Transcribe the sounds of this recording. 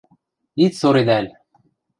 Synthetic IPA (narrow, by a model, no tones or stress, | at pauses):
it̪soɾed̪ælʲ